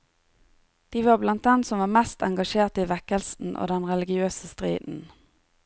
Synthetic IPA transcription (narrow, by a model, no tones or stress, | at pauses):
d̪̥iːʋɑːblɑnt̪̚d̪ɛnsɔmʋɑːʁmɛst̪ɛ̰ŋɡɑʃeːʁt̪iːʋɛkəlsn̩ʔo̰ːd̪ɛnʁɛlɪɡɪøːsəst̪ʁḭːd̪n̩